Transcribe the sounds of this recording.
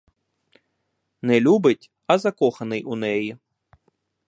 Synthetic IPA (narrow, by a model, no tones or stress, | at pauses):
nɛlʲubɪtʲ | ɐzɐkɔxɐnɪjʔunɛji